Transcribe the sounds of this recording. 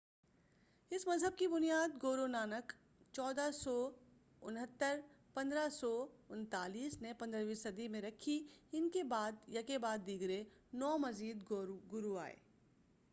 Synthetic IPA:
ɪsmɐzɦəb̚kibʊnijaːd̪ɡoːɾonaːnək | t͡ʃɔːd̪asɔ | ʊnɦət̪ːəɾ | pɐ̃nd̪ɾasɔʊnt̪aːliːsnepɐ̃nd̪ɾəʋisɐd̪imẽɾɐkʰiɪnkebaːd̪jɐkebaːd̪ːiɡɾe | nɔːmɐziːd̪ɡʊɾua̰ːḛː

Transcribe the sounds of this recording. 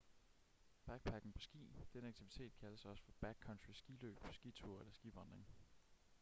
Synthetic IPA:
b̥æɡ̥̚pʰæɡ̥n̩pʰɒ̽sɡ̥ḭːd̥enəɑɡ̥̚t͡sʰiʋit͡sʰe̝̰ːd̥̚kʰæləsɒ̽sə̥fɒ̽b̥æɡ̥̚kʰɒ̽nd̥ʰʁisɡ̥ilø̰ːb̥ʰɒ̽sɡ̥it͡sʰuɐ̰elɐsɡ̥iʋɒnd̥ʁeŋ

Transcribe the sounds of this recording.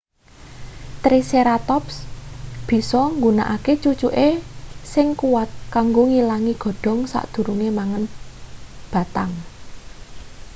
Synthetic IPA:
t̪ɾiseɾat̪ɔpsb̥i̤sɔŋɡuna̰ʔaket͡ʃut͡ʃuʔesɪŋkuwat̪̚kaŋɡoŋilaŋiɡ̥ɔ̤ɖ̥ɔ̤ŋsa̰ʔd̪̥ṳɾuŋemaŋən | b̥a̤t̪aŋ

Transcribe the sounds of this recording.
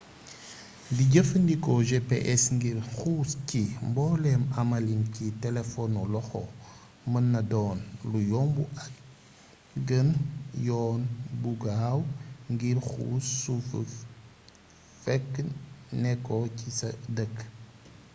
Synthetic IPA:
diɟəfndikɔʒepḛʔɛsŋɡiɾxuːscimbɔːlɛmɐmɐlinkitɛlɛfɔnɔlɔxɔ | mənːɐdɔːnlujɔmbua | ɡənjɔːnbuɡaːwŋɡiɾxṵːsuf | fɛkːnɛkːɔcisɐdək

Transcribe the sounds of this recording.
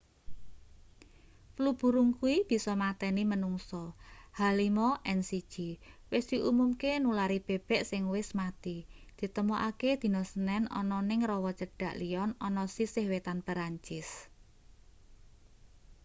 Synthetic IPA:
flub̥ṳɾuŋkuwib̥i̤sɔmat̪ɛnimənuŋsɔhalimɔʔɛnsi̥ʒ̥iwɪsd̪̥iʔumumkenulaɾib̥e̤b̥ɛ̤ʔsɪŋwɪsmat̪id̪̥i̤t̪əmuʔaked̪̥i̤nɔsənɛnɔ̰nɔnɪŋrɔwɔt͡ʃəɖ̥ä̤ʔlijɔnɔnɔsisɪhwet̪anpəɾaɲt͡ʃɪs

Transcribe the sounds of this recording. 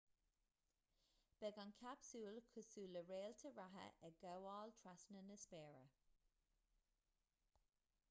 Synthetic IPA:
b̥ɛɡankʲʰapsuːlkʰʊsuːləɹeːltʰəɹaɦə̰ʔɛɡawɑːlt̪ʰɹasnənəspɛːɹə̰

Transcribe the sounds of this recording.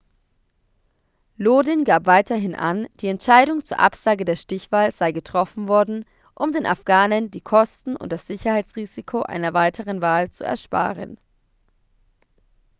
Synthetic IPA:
loːdɪnɡaːpv̥aɪtɐɦɪnʔa̰nd̥iːɛntʃaɪɾʊŋt͡suːɐʔapz̥aːɡədeːɐʃtɪçv̥aːlz̥aɪɡətʁ̥ɔfn̩vɔɐdn̩ | ʔʊmdeːnʔa̰fɡ̥aːnəndiːkʰɔstn̩ʊ̰nt̚d̥asz̥ɪçɐhaɪt͡sʁ̥iːzikʰoʔa̰ɪnɐvaɪtʰəʁənvaːlt͡sṵɛ̰ɐʃpa̰ːʁə̰n

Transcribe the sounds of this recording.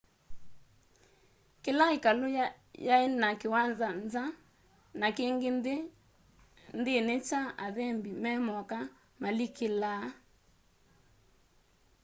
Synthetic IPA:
kelaikalo | jaenakewanzanza | nakeŋɡe | ndenet͡ʃaaðɛmbimɛmɔka | malikela

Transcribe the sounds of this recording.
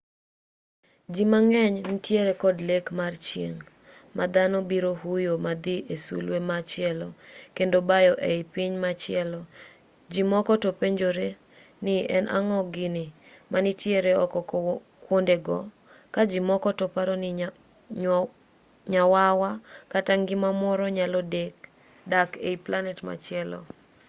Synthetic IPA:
d͡ʒimaŋɛɲnitjeɾekɔdlekmart͡ʃjḛŋ | mad̪anɔbiɾoɦujomad̪iesṵlwemat͡ʃɪɛlɔkendobajɔʔeɪpɪɲmat͡ʃɪɛlɔ | d͡ʒimɔkɔtopeɲd͡ʒoɾe | nɪɛnʔa̰ŋɔɡɪnɪ | manɪtjeɾeɔkɔ | kwondeɡɔ̰ | kad͡ʒimɔkɔtɔpaɾɔnɪ | ɲawawakataŋɡɪmamɔɾɔɲalɔdek | dakeiplanɛtma̰t͡ʃɪɛlɔ̰

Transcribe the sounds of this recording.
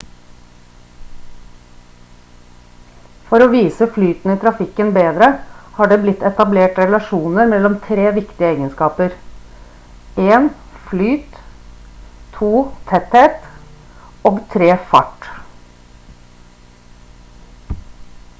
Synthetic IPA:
fɔɾoːʋiːsəflyːt̪n̩iːt̪ʰɾɑfɪkənbeːd̪ɾəhɑːɖeːblɪt̪ɛt̪ɑbleːʈɾɛlɑʃuːnəɾmɛlɔmt̪ʰɾeːʋɪkt̪ɪəeːɡənskɑːpəɾ | eːn | flyːt̪ | t̪ʰuːt̪ʰɛt̪heːt̪ | oːɡt̪ʰɾeːfɑ̰ʈ

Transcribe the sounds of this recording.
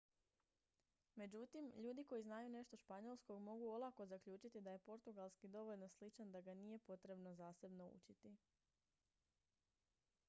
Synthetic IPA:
me̞d͡ʑut̪imʎuːd̪iko̞jiznaːjune̞ʃt̪o̞ʃpaɲolˠsko̞ɡmo̞ɡuolˠako̞zakʎuːt͡ʃit̪id̪aje̞po̞ɾt̪uɡalˠskid̪o̞ʋo̞ʎno̞slit͡ʃand̪aɡanije̞po̞t̪ɾe̞bno̞zaːse̞bno̞ṵt͡ʃit̪i

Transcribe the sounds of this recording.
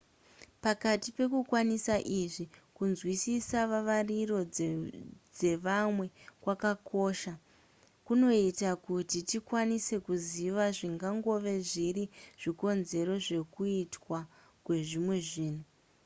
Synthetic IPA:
pakatipe̞kukwanisaʔiʐikunzwisisaʋaʋariro̞ | d͡ze̞ʋamwe̞kwakakʰo̞ʃa | kuno̞itakutitikwanise̞kuziʋaʐiŋɡaŋɡo̞ʋe̞ʐiɾiʐ̥iko̞nze̞ɾo̞ʐe̞kuitwa | kwe̞ʐimwe̞ʐiːn̤u

